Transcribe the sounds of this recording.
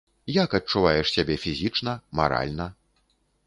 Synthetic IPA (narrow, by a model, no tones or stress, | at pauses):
jakɐt͡ʂːuvajɛʂsʲabʲɛfʲizʲit͡ʂnɐma̰ɾa̰lʲnɐ